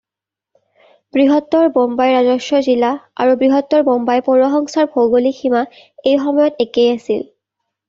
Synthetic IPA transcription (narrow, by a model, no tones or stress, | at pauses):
bɹiɦɔtːɔɹbɔmbajɹazɔsɔzilaa̰ɹubɹiɦɔtːɔɹbɔmbajpɔɹɔxɔŋsaɹbʱoɡolixima | ejxɔmɔjɔtekejasḭl